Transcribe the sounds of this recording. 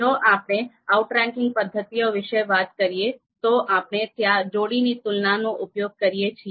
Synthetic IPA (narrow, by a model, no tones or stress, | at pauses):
d͡ʒoʔapne | auʈɾɛ̃ŋkɪ̃ŋɡ̚pəd̪ʱːət̪ijoʋɪʃəʋat̪kəɾije | t̪oʔapnet̪jad͡ʒoɽinit̪ʊlnanoʔʊpjoɡ̚kəɾijet͡ʃʰie